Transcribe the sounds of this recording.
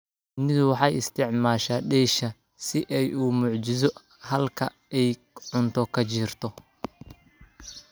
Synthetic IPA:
nɪðwɑħɑjɪst̪ʰɪʕmaːʃaːɖɛjʃɐ | sɪʔɛjuːmʊʕt͡ʃɪs̬ɔ | hɐlkʰɐ̰ | ɛj | ʕʊnt̪ʰɔkʰɐt͡ʃiːrt̪ʰɔ

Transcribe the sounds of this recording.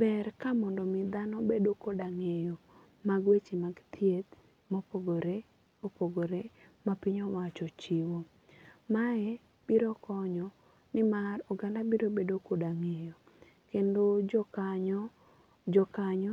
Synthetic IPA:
bɛrkamɔndɔmɪd̪anɔbedokodaŋejo | maɡwet͡ʃimaɡt̪ʰjet̪ | mɔpoɡoɾe | opoɡoɾemapiɲowat͡ʃɔt͡ʃiwo | maɛ | b̥iɾɔkɔɲɔ | nɪmaroɡandabiɾobedokodaŋejo | kendod͡ʒɔkaɲɔ | d͡ʒɔkaɲɔ

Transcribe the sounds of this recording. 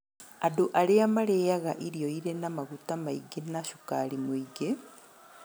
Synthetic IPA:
adoʔaɾeamaɾejaɣaʔiɾijoiɾenamaɣutamaiɡenaʃukaɾimwiɡe

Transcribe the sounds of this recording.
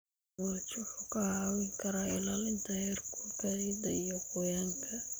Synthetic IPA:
wɐt͡ʃʊħʊkʰɐhaːwɪŋkʰɐɾaɪlalɪnt̪ʰɐhɛrkʰukʰɐɪd̪ɐijɔqʊjaːŋkʰɐ

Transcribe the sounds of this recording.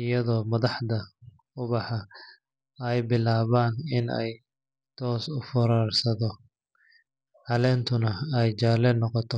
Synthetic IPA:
ɪjɐðɔːmɐðɑħd̪ɐ | ʊβɑħɑ | ɛjbɪlaːβaːnɪnɛ̰j | t̪ʰɔːsʊfɐɾaːrsɐðɔ | ʕɑlɛːnt̪ʰʊnɐɛjt͡ʃaːlɛnɔqɔt̪ʰɔ

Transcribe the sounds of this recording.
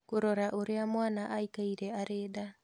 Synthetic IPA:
koɾɔɾaʔoɾeamwaːnaʔaikaiɾeaɾeːda

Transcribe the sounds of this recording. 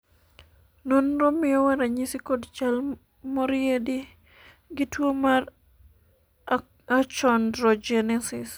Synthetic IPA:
nɔnɾɔmːijɔwaɾaɲisikɔdt͡ʃal | mɔɾedi | ɡituomaɾ | at͡ʃɔndɾɔd͡ʒɛnɛsis

